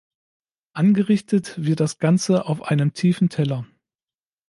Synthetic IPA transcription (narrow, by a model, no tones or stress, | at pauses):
ʔanɡəʁɪçtətv̥ɪɐt̚d̥asɡ̥ant͡səʔaʊfʔaɪnəmtʰiːfn̩tʰɛlɐ